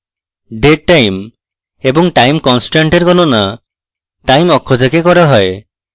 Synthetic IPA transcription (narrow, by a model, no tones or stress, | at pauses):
ɖeʈajm | ebɔŋʈajmkɔnsʈaɳʈeɾɡɔnona | ʈajmɔkʰːod̪ʱekekɔɾaɦɔe